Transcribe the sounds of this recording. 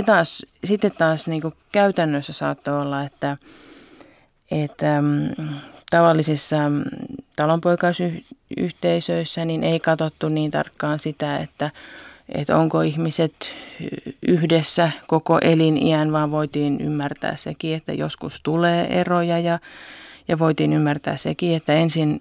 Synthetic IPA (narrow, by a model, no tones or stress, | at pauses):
t̪ɑːssit̪ːet̪t̪ɑːsniːŋkukæyt̪ænːøsːæsɑ̰ːt̪ːoolːɑet̪ːæ | et̪ːæ | t̪ɑʋɑlːisisːɑ | t̪ɑlompoikɑisyy̰ht̪eisøisːæninʔeikɑt̪ot̪ːunniːnt̪ɑ̰rkːɑːnsit̪æḛt̪ːæḛt̪o̰ŋkoihmiset̪ | yhdesːækokoʔelinḭænʋɑːʋʋoit̪iːny̰mːært̪æ̰ːssḛkiet̪ːæ̰jo̰skust̪uleːʔerojɑjɑjɑʋoit̪iːnymːært̪æ̰ːssḛkiet̪ːæensin